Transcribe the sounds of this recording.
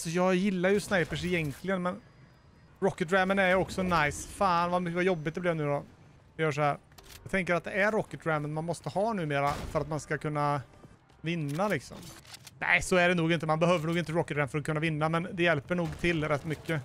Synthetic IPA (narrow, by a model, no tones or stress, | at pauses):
sɔjɑːjɪlːaɾjɵsnaɪpəʂɪjɛŋkʰlɪɡənmɛn | ɾɔkːət̪ɾæmənæɾjɔksɔnajsfaːnvamʏvajɔbːɪt̪̚d̪ɛblɪjanʉ̟ːd̪ɔ | d̪ɛjœːʂ̬ɔhæːɾ | jɑːɡt̪ʰɛŋkəɾat̪̚d̪ɛæɾːɔkːət̪ɾæmənmanmɔst̪əhɑːnʉ̟ːmeːɾa̰fœɾat̪manskakʰɵnːa | vɪnːalɪksɔ̰mnʔæ̰ɪsɔæɖɛnuːɡɪnt̪̬əmanbɛɦøːvəɳuːɡɪnt̪əɾɔkːət̪ɾæmfœɾɔkʰɵnːavɪnːamɛnd̪ɛjɛlpəɳuːɡt̪ʰɪlːɾɛt̪ːmʏkːə